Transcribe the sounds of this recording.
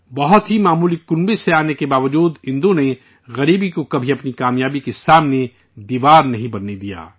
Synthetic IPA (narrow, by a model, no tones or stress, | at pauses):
bɐɦʊt̪ɦimaːmuːlikʊnbeseaːnekebaːʋəd͡ʒuːd̪ɦɪ̃nd̪õne | ɣɐɾiːbikokɐbʱiɐpnikaːmjaːbikesaːmne | d̪iːʋaːɾnɐɦĩbɐnːed̪ija̰ː